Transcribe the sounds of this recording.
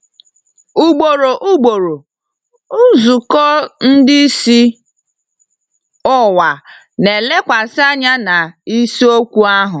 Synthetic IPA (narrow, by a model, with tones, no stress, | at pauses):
u˦ɡ͡bo˨ɾo˨ʔu˦ɡ͡bo˨ɾo˨ | u˦zu˨kɔ˦n̩˦dɪ˦i˦si˦ | ʊ˦wa˨ | ne˨le˦kʷa˨sa˦ɲa˦na˨i˦si˦o˦kʷu˦a˦ɦʊ˨